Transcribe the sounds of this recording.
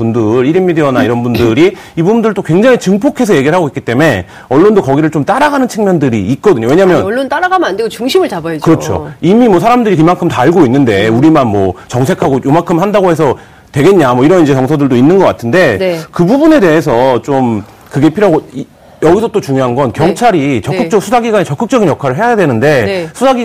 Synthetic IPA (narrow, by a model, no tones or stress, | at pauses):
pundɯɾiɾimːidiʌnaiɾʌnbundɯɾi | ibubundɯɭt͈okwe̞ŋd͡ʑaŋit͡ɕɯŋpʰokʰe̞sʰʌje̞ɡiɾɭɦaɡoik͈it͈e̞me̞ | ʌɭːondokʌɡiɾɯɭt͡ɕ͈omt͈aɾaɡanɯnt͡ɕʰɯŋmjʌndɯɾḭːt̚k͈ʌdɯɲowe̞ɲaamjʌnʌɭːont͈aɾaɡamnandeɡot͡ɕuŋɕʰimɯɭt͡ɕabaʌd͡ʑkɯɾʌt͡ɕʰo̰imimwʌsʰaɾamdɯɾikimaŋkʰɯmtaɭɡoinːɯnde̞uɾimanmwʌt͡ɕʌŋsʰe̞kʰaɡojomankʰɯmhandaɡohe̞s̬ʰʌ | twe̞ɡe̞ɲɲamʌiɾʌnid͡ʑe̞t͡ɕʌŋsʰʌdɯɭdoinːɯnɡʌk͈atʰɯnde̞kɯbubune̞de̞ɦesʰʌt͡ɕom | kɯɡe̞pʰiɾoɦaɡoi | jʌɡisʰʌt͈ot͡ɕuŋjoɦanɡʌnkjʌŋt͡ɕʰaɾit͡ɕʌk͈ɯt͡ɕ͈ʌk̚sʰusʰaɡiɡaɲet͡ɕʌk͈ɯk̚t͡ɕ͈ʌɡinjʌkʰaɾɯɭɦejajadwe̞nɯnde̞sʰusaɡi